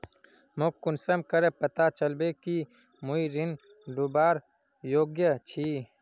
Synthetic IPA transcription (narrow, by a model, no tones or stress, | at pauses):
mokkːunsɐmkɐɾepɐt̪at͡ʃɐlbeki | muiɾin | ɖubaːɾ | joːɡjət͡ʃʰi